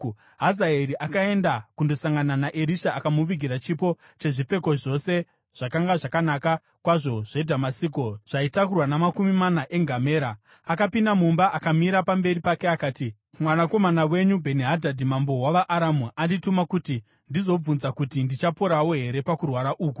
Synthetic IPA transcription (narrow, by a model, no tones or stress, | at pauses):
ɦazaeɾiʔakae̞ndakundo̞saŋɡananaʔeɾiʃaːkamuʋiɡʱiɾat͡ʃipo̞ | t͡ʃe̞ʐip͡fe̞ko̞ʐo̞se̞ | ʐ̥akaŋɡaʐakanaka | kwaʐo̞ʐ̥e̞dʱamasikoʐ̥aitakurwanamakumimanaʔe̞ŋɡame̞ːɾa | akapindamumbaʔakamiɾapambe̞ɾipakeakaːti | mwanako̞manawe̞ɲubʱe̞niɦadʱadʱimambo̞waʋaʔaɾamuʔanditumakuti | ndizo̞b͡vunzakutindit͡ʃapoɾawo̞ɦe̞ɾe̞pakurwaɾaʔuːku̥